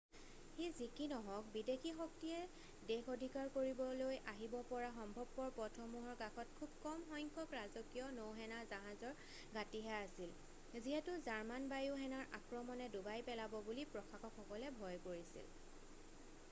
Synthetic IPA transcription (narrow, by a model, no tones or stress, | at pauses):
xejzikinɔɦɔk̚bidekʰixɔk̚tiɛ | dexʰodʱikaɹkoɹibɔlojʔaɦibɔpɔɹaxɔmbʱɔb̚pɔɹpɔtʰɔmuɦɔɹkakʰɔt̚kʰubkɔmxɔjŋkʰɔkɹazɔkijɔnowɦɛnazaɦazɔɹ | ɡatiɦɛasil | ziɦɛtʊzaɹmanbajuɦɛnaɹʔa̰kɹɔmɔnɛdubajpɛlabɔbulipɹɔkʰakɔkʰɔkɔlɛbʱɔjkoɹisḭl